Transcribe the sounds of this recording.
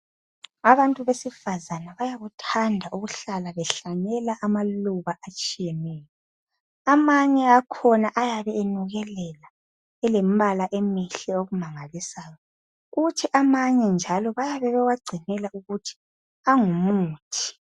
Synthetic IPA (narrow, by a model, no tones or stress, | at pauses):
aβantʼuβesifazanaβajaɣutʰandʱaʔuɣuɬalaβɛɬaɲɛlaʔamaluβaʔat͡ʃʼijɛnɛːjɔ | amaɲɛakʰɔnaʔajaβɛenuɣɛlɛla | ɛlem̩βalaʔemiɬɛoɣumaŋalisaːjɔ | ɣutʰiʔamaɲɛnd͡ʒʱalɔβajaβɛβɛɣwaɡ͡ǀʱinɛlauɣutʰi̥ | aŋumuːtʰi̥